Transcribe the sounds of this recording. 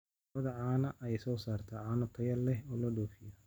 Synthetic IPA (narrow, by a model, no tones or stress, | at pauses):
ɐðɐʕaːnɐʔɛjsɔːsaːrt̪ʰɐʕaːnɐt̪ʰɐjɐlːɛhɔːlɐɖɔːfɪjɔ